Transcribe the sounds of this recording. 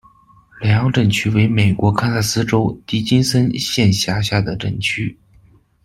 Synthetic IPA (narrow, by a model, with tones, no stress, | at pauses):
lɛ˨˩ɑ˧˥ŋʈ͡ʂɤ˥˩ŋt͡ɕʰy˥we˧˥ɪme˨˩ɪkwɔ˧˥kʰa˥sa˥˩sɹ̩˥ʈ͡ʂo˥ʊt̪i˧˥t͡ɕi˥nsə˥nɕjɛ˥˧nɕja˧˥ɕja˥˩d̪ə˩ʈ͡ʂə̰˥˩ŋt͡ɕʰy˥